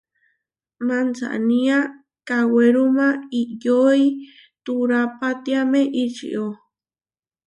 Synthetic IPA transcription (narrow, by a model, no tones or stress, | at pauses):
mant͡sa̰ʔnĩa | kaweɾumãijoi | t̪uɾapat̪iamẽʔit͡ʃḭʔo